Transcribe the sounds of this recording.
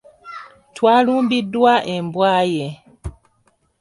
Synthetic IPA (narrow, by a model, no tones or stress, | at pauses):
twaːluːmbidwaʔembwaːje